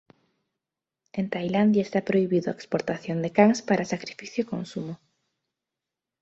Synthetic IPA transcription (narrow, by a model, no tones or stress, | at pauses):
ent̪ajland̪jaest̪apɾoiβiðʊaekspoɾt̪aθjond̪ekaŋspaɾʔasakɾifiθjoikonsumo